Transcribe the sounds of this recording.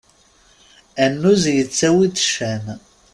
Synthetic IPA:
ænːuzjət͡sːæwitːə̥ʃæn

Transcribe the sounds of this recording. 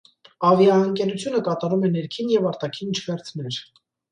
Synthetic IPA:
ɑvjɑəŋkɛɾut͡sʰjunəkɑt̪ɑɾumɛnɛɾkʰinjɛvɑɾt̪ɑkʰint͡ʃʰvɛɾt͡sʰnɛɾ

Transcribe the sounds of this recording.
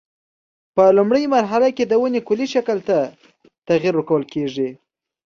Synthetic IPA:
pəlumɽəjmaɾɦalaked̪əwənekʊliʃakəlt̪a | t̪aɣiɾukawəlkeʐi

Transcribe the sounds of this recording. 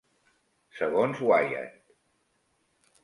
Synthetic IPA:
səɣonzwaja̰t̪

